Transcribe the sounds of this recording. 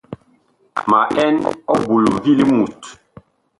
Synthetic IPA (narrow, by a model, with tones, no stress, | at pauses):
ma˨ʔɛ˦nɔ˦bu˨lu˨vi˦li˦mu˨t